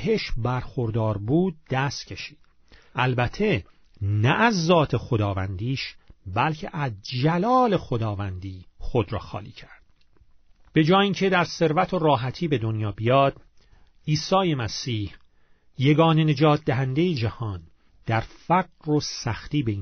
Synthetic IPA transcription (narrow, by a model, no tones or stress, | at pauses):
heʃbæɾxoɾd̪ɒːɾbuːd̪̚d̪æst̪cʰe̞ʃiːd̪̥ | ʔælbæt̪ʰe̞ | næʔːzːɒːt̪ʰe̞xod̪ɒːvænd̪iːʃbælcʰe̞̰ʔæzd͡ʒælɒːle̞xo̞d̪ɒːvænd̪iːxo̞d̪ɾɒ̰ːxɒ̰ːlḭːcʰæɾd̪̥ | b̥e̞d͡ʒɒːjiːŋcʰe̞d̪æɾse̞ɾvæt̪ʰoɾɒːɦæt̪ʰiːbe̞d̪onjɒːbijɒːd̪̥ | iːsɒːjemæsiːh | je̞ɡɒːne̞ne̞d͡ʒɒːt̪̚d̪æɦænd̪e̞jed͡ʒæhɒːn | d̪̥æɾfæɡɾosæxt̪iːbeiː